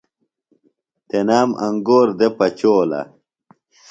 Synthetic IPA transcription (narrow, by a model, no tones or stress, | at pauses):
t̪enaːmʔɐ̰ŋɡoːɾd̪epɐt͡ɕoːlɐ̰